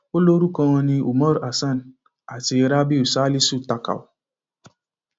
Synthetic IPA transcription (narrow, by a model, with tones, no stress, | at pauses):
o˦lo˦ɾu˦kɔ˦ŋɔ˦ni˦u˨mɔ˦ɾa˨sa˦˨n˨ | a˨t͡ʃɪ˨ɾa˦bi˦u˨sa˦li˦su˦˨ta˨ka̰˨w